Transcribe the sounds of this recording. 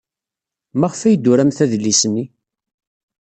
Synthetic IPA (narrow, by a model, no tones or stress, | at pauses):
mæʁfæjd̪ːʊɾæmθæðlːisni